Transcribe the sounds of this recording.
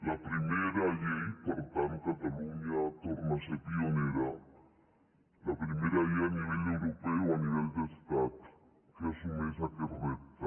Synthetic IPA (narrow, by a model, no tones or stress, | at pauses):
lapɾimeɾajejpaɾt̪ankat̪aluɲat̪oɾnasepioneɾa | lapɾimeɾaianiβelewɾopeoaniβeld̪est̪at̪ | kasumesakeraβet̪a